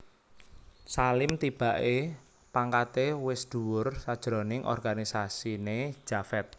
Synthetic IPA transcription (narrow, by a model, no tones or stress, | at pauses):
salɪmt̪ib̥a̤ʔe | paŋkat̪ewɪsd̪̥uwʊrsad̥ʒ̥ɾonɪŋʔɔ̰rɡ̥anisasine̥ʒ̥afɛt̪̚